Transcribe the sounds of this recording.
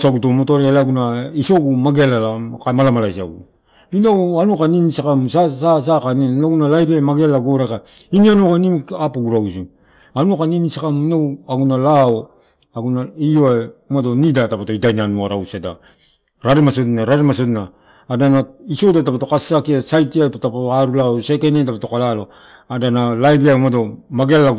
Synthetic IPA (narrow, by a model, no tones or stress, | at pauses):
saɡutomotoɾealaɡunaiso̞ɡumaɡelalakamalamalajsa̰ɡṵ | inawanukaninisakamsasas̬akaninaɡunalajɾemaɡelaɡoɾekainianukanimapoɡuɾaws̬u | anuakaninisakaminawaɡunalao | aɡunaioeumato̞nidatapatoidajnanuaɾawsada̰ | ɾaɾemasotnaɾaɾemas̬otnaː | danaiso̞datapato̞kasakiasajtiajpotapatoaɾulaosekenetapatokalalo̞ | adanalajbiajmadomaɡealːa